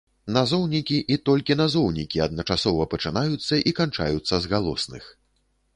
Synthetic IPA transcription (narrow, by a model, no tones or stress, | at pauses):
nazɔwnʲikʲiʔit̪ɔlʲkʲinazɔwnʲikʲiɐd̪̚nɐt͡ʂasɔvɐpɐt͡ʂɨnajut̪sːɐʔikant͡ʂa̰jut̪sːɐzɣalˠɔ̰snɨ̰x